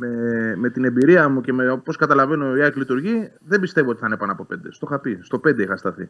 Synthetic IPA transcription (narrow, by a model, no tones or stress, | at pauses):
meme̞t̪ine̞mbiɾiɐmuce̞meopo̞skɐt̪ɐlɐve̞no̞iɐklit̪uɾʝi | ðe̞mbist̪e̞voo̞t̪i̥θɐne̞pɐnɐpo̞pe̞nd̪est̪oxɐpist̪o̞pe̞nd̪e̞ixɐst̪ɐθḭ